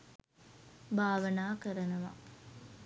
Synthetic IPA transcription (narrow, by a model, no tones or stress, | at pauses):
bʱaːʋənaːkəɾənɐʋa̰